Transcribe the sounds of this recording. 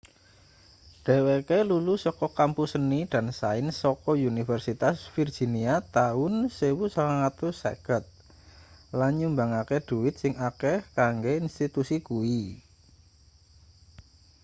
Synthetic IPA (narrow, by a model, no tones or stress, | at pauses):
ɖ̥e̤wekelulusɔkɔkampusəniɖ̥a̤nsaɪnsɔkɔunifɛrsit̪asfird̥ʒ̥i̤niat̪aʊnsewusaŋaŋat̪usa̰ɡ̥ət̪̚ | lanɲumbaŋakeɖ̪̥ṳwɪt̪̚sɪŋakekaŋɡeinst̪it̪usikui